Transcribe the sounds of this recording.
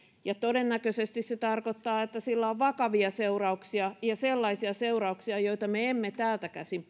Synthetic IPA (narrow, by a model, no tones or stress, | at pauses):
jɑt̪odenːækøsest̪isset̪ɑrkot̪ːɑːet̪ːæsilːæoʋʋɑkɑʋiɑseurɑuksiɑjɑselːɑisiɑseurɑuksiɑjoit̪ɑmeemːet̪æːlt̪ækæsim